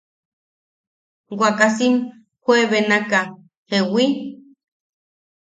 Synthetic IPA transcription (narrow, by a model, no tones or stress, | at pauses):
wʷakasim | hʷweβenaka | hewi